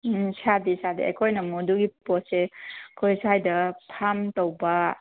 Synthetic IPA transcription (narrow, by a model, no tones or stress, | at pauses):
sadisadḭḛkʰojnɐmoduɡipɔsekʰojsajdɐpʰamtowbɐ